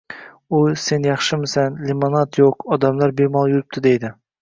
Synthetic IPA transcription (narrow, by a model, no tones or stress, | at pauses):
ʊse̞njɑχʃɪmɪsanlɪmonat̪joqɒd̪amlaɾbemɒlˠjʊɾɪp̚t̪ʰɪd̪ejd̪ɪ